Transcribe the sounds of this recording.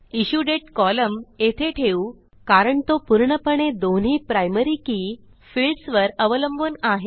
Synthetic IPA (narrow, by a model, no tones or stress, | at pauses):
iɕuɖeʈkɔləmet̪ʰeʈʰeu | kaɾəɳt̪opuɾɳəpəɳed̪on̤iːpɾajməɾiːkiː | filɖsʋəɾəʋələmbʱənaɦe